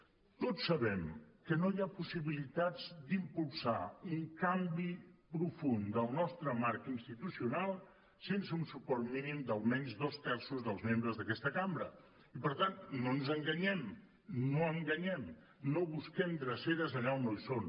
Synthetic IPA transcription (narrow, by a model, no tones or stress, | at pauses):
t̪ott͡sːəβɛmkənojapusiβilit̪ad͡zd̪impulˠsauŋkambipɾufund̪əlˠnɔst̪ɾəmaɾkinst̪it̪usiunalˠ | sensəunsupɔɾt̪minimd̪əlˠmɛɲzdoskasuzðəlˠzmembɾəzðəkɛst̪əkambɾə̰ | ipəɾt̪annonzəŋɡəɲɛm | noəŋɡəɲɛm | noβuskɛmd̪ɾəseɾəzəʎaunojson